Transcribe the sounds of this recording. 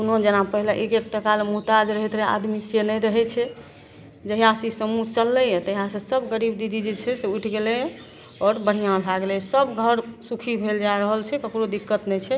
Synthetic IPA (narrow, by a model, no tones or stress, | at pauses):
kunod͡ʒənapəɦileʔekekʈəkalmuɦt̪ad͡ʒɾəɦɛt̪ɾa̰d̪misenɛjɾəɦɛt͡ʃʰɛ | d͡ʒəɦijãsisəmut͡ʃəlːɛjɛ̃t̪əɦijãsə̃səbɡəɾibd̪id͡ʒid͡ʒit͡ʃʰɛseujʈʰɡelɛ | ɔɾbəɽ̤ijãbʱaɡlɛsəbɡʱəɾsukʰibʱeld͡ʒaɾəɦəlt͡ʃʰɛkəpuɾod̪ikːət̪nɛt͡ʃʰɛ